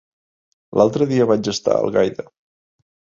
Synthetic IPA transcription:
lʔalˠt̪ɾəðiəβad͡ʒəst̪a̰ə̰lˠɣajðə

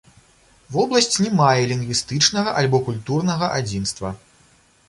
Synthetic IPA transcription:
vɔblˠɐsʲt͡sʲnʲɛmajɛlʲiŋɡvʲist̪ɨt͡ʂnɐɣɐʔalʲbɔkulʲt̪urnɐɣɐʔad͡zʲinst̪vɐ

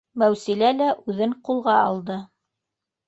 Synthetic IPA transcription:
mæwsilælæʔʉðɘɴqulˠʁɑɑlˠd̪ɤ

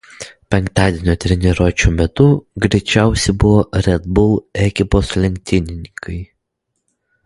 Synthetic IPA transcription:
pʲɛŋkt̪ɑːd̪ʲeɛnʲoːt̪ʲɾʲɛnʲiɾoːt͡ʃʲuːmʲɛt̪ʊɡɾʲɛɪt͡ʃʲæˑʊsʲɛɪbʊʋoːɾʲɛd̪̚bʊlˠɛkʲɪpoːslʲɛŋʲk̚ʲt̪ʲɪnʲɪnʲɪkʰɐɪ

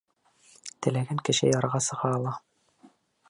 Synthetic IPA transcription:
t̪ɘ̆læɡæŋkɘ̆ʃɘ̰jɑɾʁɑsɤ̆ʁɑːlˠɑ

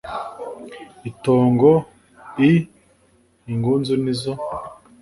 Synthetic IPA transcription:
itoːŋɡo | i | iŋɡuːnzunizo

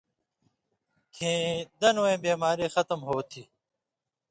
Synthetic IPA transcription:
kʰĩːd̪ɐnoːẽːbeːmaːɾiːxʌt̪əmɦoːt̪ʰiː

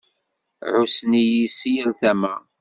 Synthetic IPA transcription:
ʕusnijisijəlθæmæ

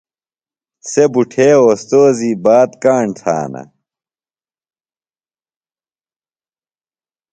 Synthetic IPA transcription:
sebuʈʰeːost̪oːziːbaːt̪kaːɳt̪ʰa̰ːnɐ̰

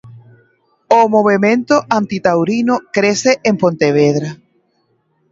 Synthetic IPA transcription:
omoβ̞emẽnt̪oʔant̪it̪awɾinokɾeseʔempont̪eβ̞eðɾa

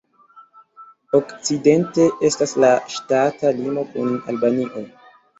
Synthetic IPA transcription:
o̞kt͡side̞nte̞ʔe̞staslaʃtatalimo̞kuna̰lbaniʔo̞

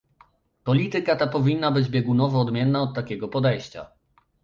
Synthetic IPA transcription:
pɔlʲit̪ɘkat̪apɔvʲinːabɘd͡ʑbʲjɛɡunɔvɔːd̪mʲjɛnːaɔt̪ːakʲɛɡɔpɔd̪ɛjɕt͡ɕa̰

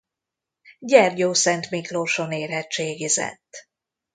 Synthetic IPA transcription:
ɟɛrɟoːsɛnt̪mikloʃoneːrɦɛtt͡ʃeːɡizɛ̰t̪ː

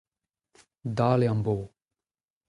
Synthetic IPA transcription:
d̪aːleɐmboː

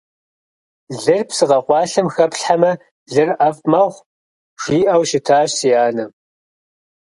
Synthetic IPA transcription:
ɮɨrpsɨqɐqʷɑːɬɨmxɐpɬħamɐ | ɮɨrʔɐfmɐʁʷ | ʃiːʔɐwʃɪtʰaːɕsijaːnɐ

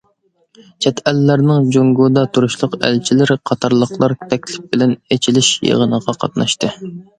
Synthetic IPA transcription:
t͡ʃʰɛt̪ʰælːæɾnɪŋd͡ʒoŋɡud̪ɑt̪ʰuɾuʃlˠʊqæ̰lt͡ʃʰilɪɾqʰɑt̪ʰɑɾlˠəχlˠɑɾt̪ʰɛkʲlɪp̚b̥ɪlɛnet͡ʃʰilɪʃjḛʁənəʁɑqʰɑ̰t̪nɑ̰ʃt̪ɨ

